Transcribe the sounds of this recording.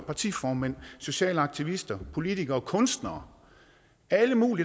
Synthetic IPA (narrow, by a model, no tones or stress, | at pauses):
pʰɑ̈t͡sʰḭːfɒːmæn̰so̝ɕɛ̰ːləɑ̈ɡ̥̚t͡sʰiʋisd̥ɐpʰo̝lit͡sʰiɡ̥ɐɒkʰɔ̽nsd̥nɐː | æləmṵːli